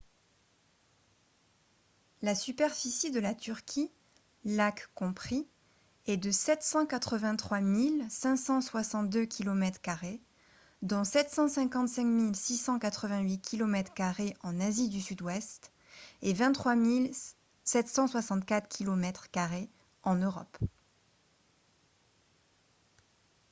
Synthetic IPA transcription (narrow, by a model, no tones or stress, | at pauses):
lasypɛʁfisid̪əlat̪ʰyʁkʲʰi | lakkɔ̃pχi | ɛd̪əsɛt̪sɑ̃kat̪χəvɛ̃t̪χwamilsɛ̃sɑ̃swasɑ̃t̪̚d̪økʲʰilɔmɛt̪χkaʁe | d̪ɔ̃sɛt̪sɑ̃sɛ̃kɑ̃t̪sɛ̃kmilsisɑ̃kat̪χəvɛ̃ɥikʲʰilɔmɛt̪χkaʁeɑ̃nazid̪ysyd̪wɛst̪ | evɛ̃nt̪χwamil | sɛt̪sɑ̃swasɑ̃t̪kat̪χkʲʰilɔmɛt̪χkaʁe | ɑ̃nøʁɔ̰p